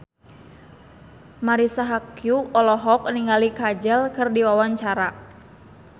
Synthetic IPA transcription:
maɾisaɦakjuɔlɔɦɔk̚niŋalikad͡ʒəlkɨrdiwawaɲt͡ʃaɾa

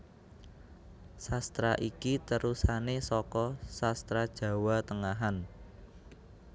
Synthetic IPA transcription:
sast̪ɾaʔikit̪əɾusanesɔkɔsast̪ɾad̥ʒ̥ä̤wat̪əŋaɦan

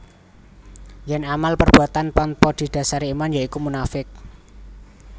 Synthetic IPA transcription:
jɛnamalpərb̥uat̪anpanpɔd̪̥i̤d̪̥a̤saɾimanjaikumunafɪk̚

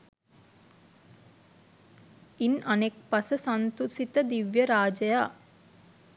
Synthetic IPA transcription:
inʔɐnek̚pɐsəsɐnt̪usit̪əd̪iʋjɐɾaːd͡ʒɐjaː

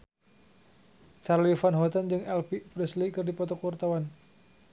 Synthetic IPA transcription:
t͡ʃarlifanɦɔt̪and͡ʒɨŋɛlpipɾɛslikɨrdipɔt̪ɔkuwurt̪awan

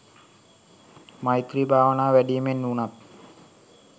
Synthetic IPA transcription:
majt̪ɾibʱaːʋɐnaːʋæɖijɐmenːuːɳat̪

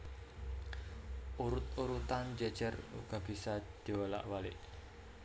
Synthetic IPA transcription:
ʔuɾʊt̪̚uɾut̪and͡ʒəd̥d͡ʒ̥ərṵɡ̥a̤b̥isad̪̥iwəla̰ʔwalɪ̰ʔ

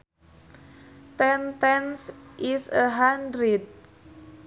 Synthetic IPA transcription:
t̪ɛnt̪ɛnsʔisəɦandɾid̪̚

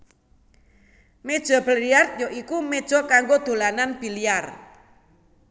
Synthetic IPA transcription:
med̥ʒ̥ɔ̤b̥əliart̪̚jɔikumed̥ʒ̥ɔkaŋɡod̪̥o̤lananb̥i̤liar

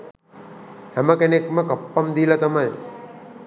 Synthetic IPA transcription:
hæməkenekməkɐpːamd̪ilɐt̪amaj

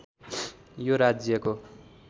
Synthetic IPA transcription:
joɾad͡zjʌko

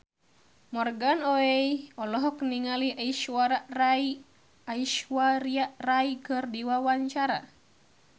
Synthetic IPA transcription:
mɔrɡanɔejɔlɔɦɔkniŋaliaiʃwaɾarai | aiʃwaɾiaʔraikɨrdiwawaɲt͡ʃaɾa̰

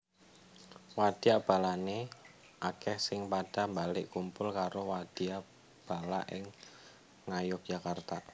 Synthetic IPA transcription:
wad̥iab̥a̤lane | ʔakɛhsɪŋpaɖ̥ambalɪʔkumpʊlkaɾowad̥ia | b̥a̤la̰ʔɪ̰ŋ | ŋajʊp̚dʒ̥akart̪a

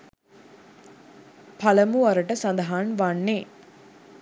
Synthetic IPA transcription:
pʰɐlɐmuɐɾɐʈɐsɐnd̪ɐɦaːnʋaɳːeː

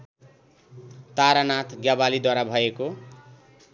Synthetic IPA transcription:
t̪aɾanat̪ʰɡjabalid̪waɾabʱʌeko

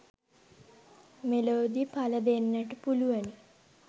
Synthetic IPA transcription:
meloːd̪ipʰaləd̪enːəʈəpuluʋəni

